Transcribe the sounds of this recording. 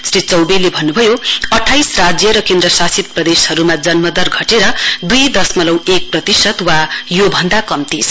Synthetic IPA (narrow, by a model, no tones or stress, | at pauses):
srit͡sʌwbelebʱʌnːubʱʌjoʌʈʰːajsrad͡zjʌɾʌkend̪rʌsasit̪̚prʌd̪eshʌɾumad͡zʌnmʌd̪ʌrɡʱʌʈeɾʌd̪ujd̪ʌsmʌlʌwek̚prʌt̪isʌd̪wajobʱʌnd̪akʌmt̪is